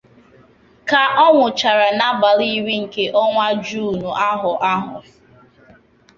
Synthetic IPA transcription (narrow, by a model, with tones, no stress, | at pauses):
ka˨ʔɔ˦ŋʷʊ˨t͡ʃa˨ɾa˨na˦ba˨ɾi˦wi˦ŋ̩˨ke˦ʔɔ˦ŋʷa˦d͡ʒuː˦˨nu˨ʔa˦ɦʊ˨ʔa˦ɦʊ̰˨